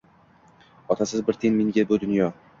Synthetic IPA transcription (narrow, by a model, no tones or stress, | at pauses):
ɒt̪ʰasɪzbɪɾt̪ʰenmiŋɡʲabʊd̪ʊnjɒ